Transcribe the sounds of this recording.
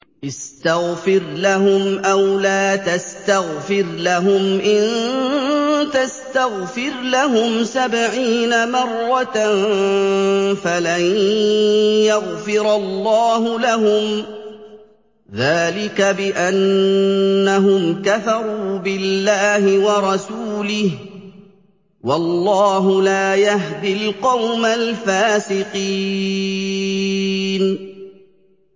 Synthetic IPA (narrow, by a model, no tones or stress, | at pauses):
ʔɪst̪aɣfɪɾlaɦʊmʔawlaːt̪ast̪aɣfɪɾlaɦʊmʔɪn | t̪ast̪aɣfɪɾlaɦʊmsabʕiːnamɑrˤːɑt̪n | falan | jaɣfɪɾɑlːɑːɦʊlaɦʊm | ðaːlɪkabɪʔanː | aɦʊmkaθɑɾˤuːbɪlːaːhɪwɑɾˤɑsuːlɪh | wɑlːɑːɦʊlaːjaɦd̪ɪlqɑwmalfaːsɪqi | n